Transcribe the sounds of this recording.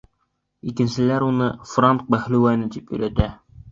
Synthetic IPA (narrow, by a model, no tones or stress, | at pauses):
ikɘ̆nsɘ̆læɾunɤfraŋk̚mæχlʉwænɘt̪ipɵ̰̆jlæt̪æ